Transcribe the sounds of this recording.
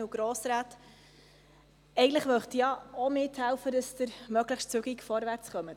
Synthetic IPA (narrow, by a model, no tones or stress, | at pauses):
uɡ̥ɾɔːsɾaːt̪ | ɛɪɡətləχʋœχt̪ijɑomɪthælfədəsd̥əɾmœɡləχʃtt͡sʉɡikfɔɾʋæɾt͡sχœmə